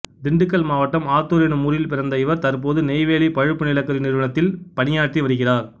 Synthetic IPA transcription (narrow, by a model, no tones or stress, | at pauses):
d̪ɪɳɖɯk̬ːɐlmaːʋɐʈːɐmaːt̪ːuːɾenɯmuːɾɪjɪlpɪrɐnd̪ɐɪʋɐɾt̪ɐɾpoːðɯnɛɪʋeːlipɐɻɯpːɯnɪlɐkːɐɾɪnɪɾɯʋɐɳɐt̪ːɪlpɐnɪjaːʈːiʋɐɾɯɣɪraːɾ